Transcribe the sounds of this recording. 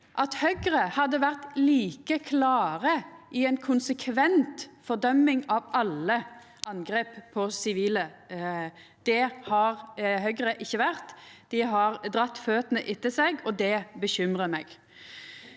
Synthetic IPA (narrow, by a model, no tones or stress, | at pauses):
ʔɑt̪hœɡʁəhɑd̪ːəʋæʁt̪liːkəkʰlɑːʁəɪɛnkʰʊnsəkʰʋɛnt̪fɔʁd̪œmːɪŋɑʋɑlːə | ʔɑnɡɾeːppʰːɔsɪʋiːlə | d̪̥ɛhɑʁhœɡʁəʔɪçːəʋæʁt̪d̪̥ɪɦɑʁd̪ʁɑt̪ːføːt̪ənəʔɪt̪ːəsɛɡɔd̪ɛbəɕʏmʁəmɛɡ